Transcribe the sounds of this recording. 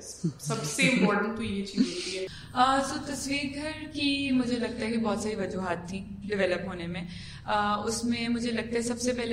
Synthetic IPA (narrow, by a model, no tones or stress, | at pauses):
sɐbseɪ̃mpɔːɾʈə̃ɳʈt̪oijet͡ʃiːzɦot̪iɦɛː | əːt̪ot̪ɐsʋiːɾɡʱɐɾkimʊd͡ʒʱelɐɡ̚t̪aɦɛkibɔːt̪saːɾiʋɐd͡ʒuɦaːt̪ʰːi | ɖɪʋɛːləpɦoːnemẽ | əːʊsmẽmʊd͡ʒʱelɐɡ̚t̪aɦɛsɐbsepɛɦle